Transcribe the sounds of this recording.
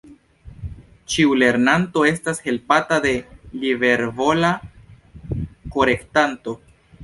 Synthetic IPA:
t͡ʃiule̞ɾnanto̞e̞stashe̞lpatade̞libe̞ɾvo̞la | ko̞ɾe̞ktanto̞

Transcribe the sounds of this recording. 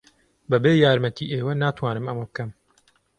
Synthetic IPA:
bɐbeːjaːɾmɐt̪ʰiːʔeːwɐnaːt̪ʰwaːnɨmɐmɐbɨkɐm

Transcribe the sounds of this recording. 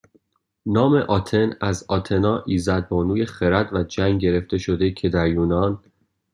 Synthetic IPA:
nɒːme̞ʔɒːt̪ʰe̞næzɒːt̪ʰe̞nɒːʔiːzæd̪̚bɒːnuːje̞χeɾæd̪væd͡ʒæŋɡɟe̞ɾe̞ft̪e̞ʃo̞d̪e̞cʰe̞d̪æɾjuːnɒn

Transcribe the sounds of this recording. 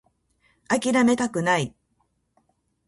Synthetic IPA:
akʲiɾame̞t̪akɯ̟nai

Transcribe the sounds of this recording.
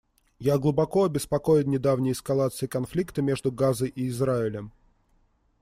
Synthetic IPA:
jaɡlˠʊbɐkoɐbʲɪspɐkojɪnnʲɪd̪avnʲɪjəɪskɐlˠat̪sɨɪkɐnflʲikt̪əmʲe̞ʐd̪ʊɡazəjʔɪːzɾaɪlʲəm

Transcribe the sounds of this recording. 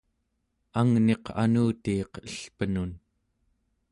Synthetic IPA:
aŋne̞qʰa̰nuːt̪iːqəɬpənun

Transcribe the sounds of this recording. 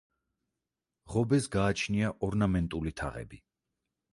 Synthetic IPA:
ʁɔbɛsɡaːt͡ʃʰniaʔɔɾnamɛnt̪ʼulit̪ʰa̰ʁɛ̰bi

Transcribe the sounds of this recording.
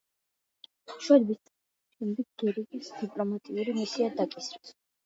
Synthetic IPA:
t̪ʰχʃwalbist̪ʼ | inb̪it̪̚ɡ̥ɛɾikʼisd̪̥ipʼlɔmat̪ʼiuɾimisiad̪akʼisɾɛs

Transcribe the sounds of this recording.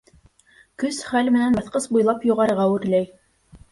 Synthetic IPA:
kɵsχælmɘ̆nænbɑ̆θqɤsbujlˠɑpjŏʁɑɾɤ̆ʁɑɵ̆ɾlæj

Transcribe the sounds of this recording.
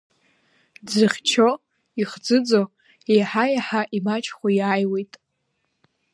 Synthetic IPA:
d͡zɨχʲt͡ʃʰo | iχd͡zɨd͡zo | ejħajaħaʔimat͡ʃʰʼχʷojaːjwejtʼ

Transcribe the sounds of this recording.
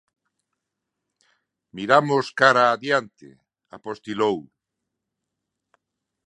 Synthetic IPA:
miɾamoskaɾaːðjant̪ḛ | a̰post̪ilow

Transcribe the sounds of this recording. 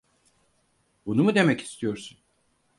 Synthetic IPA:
bunumud̪e̞mɛci̥st̪ʰijo̞ɾsun

